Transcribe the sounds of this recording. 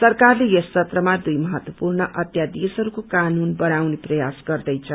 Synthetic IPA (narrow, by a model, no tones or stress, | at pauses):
sʌrkarlejʌst͡sːʰʌt̪rʌmad̪ujmʌɦʌt̪wʌpurnʌʔʌt̪jad̪esɦʌɾukokanunbʌnawneprʌjasɡʌrd̪ʌjt͡sʰʌ